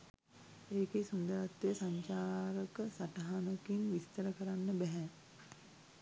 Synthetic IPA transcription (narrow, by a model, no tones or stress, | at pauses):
eːkesund̪əɾat̪ːejəsaɲt͡ʃaːɾəkəsaʈaɦanəkinʋist̪əɾəkəɾanːəbɛɦɛ